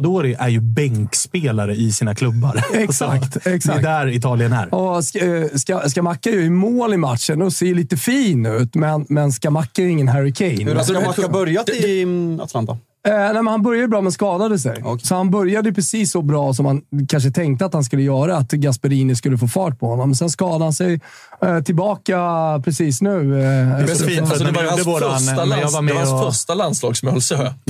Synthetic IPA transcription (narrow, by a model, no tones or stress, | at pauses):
d̪ɔæɾɛʔæɾjɵbɛŋkspeːlaɾəɪsiːnakʰlɵbːaɾɛksakt̪ɛksaɛk̚d̪æɾɪt̪ʰɑːlɪənæ̰ɾɔsskaskamakːaɾjɵʏmoːlɪmat̪ʂənɔseːjɵliːt̪əfiːnʉ̟ːt̪mɛnmɛnskamakːajɪŋːənɦæɾɪkʰɛjnbœɾja | a̰t̪lant̪a̰ | nɛmɛnhanbœɾjad̪əbɾɑːmɛnskɑːd̪ad̪əs̬ɛ̰jsɔhanbœɾjad̪əjɵpʰɾɛsiːsːɔbɾɑːs̬ɔmhankʰanʂ̬ət̪ʰɛŋk̚t̪əat̪hanskɵlːəjœːɾaːt̪ɡaspəɾiːnɪs̬kɵlːəfoːfɑːʈ̚pʰɔhɔnːɔmːɛnsɛnskɑːd̪aɾhansɛj | t̪ʰɪlbɑːkapʰɾɛsiːsnʉ̟ː | isɔd̪ɛaad̪boːdaaamasfœstalanslɑːɡsɔmœɔls